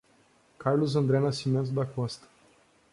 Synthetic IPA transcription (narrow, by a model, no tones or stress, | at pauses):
kaɾlʊzɐ̃nd̪ɾɛnasimẽnt̪ʊd̪ɐkɔ̃st̪ɐ̥